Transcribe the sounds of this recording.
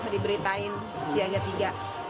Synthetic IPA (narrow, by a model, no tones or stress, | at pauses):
adibəɾit̪aɪn | siaŋd͡ʒat̪iɡaʔ